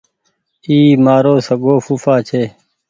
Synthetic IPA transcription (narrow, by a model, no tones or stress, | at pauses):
iːmaːɾoːsəɡoːfufaːt͡ʃʰeː